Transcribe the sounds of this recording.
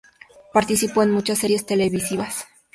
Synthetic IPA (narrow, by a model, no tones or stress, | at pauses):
paɾt̪isipoenmut͡ʃasːe̞ɾje̞st̪e̞le̞βisiβas